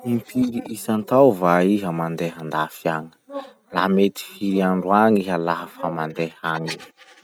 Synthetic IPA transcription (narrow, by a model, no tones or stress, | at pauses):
mipʰiɾiisant̪awvaiɦəmand̪eɦand̪afiaŋə̥ | lamet̪i̥fiɾiaɳɖ͡ʐuaŋiɦəlaɦafamand̪ehaɲi